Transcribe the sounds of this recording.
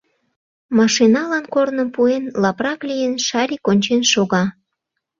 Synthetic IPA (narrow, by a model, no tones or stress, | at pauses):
mɑʃinɑlɑnkornəmpuenlɑprɑklʲijənʃɑlʲikonʲt͡ɕenʃoɣɑ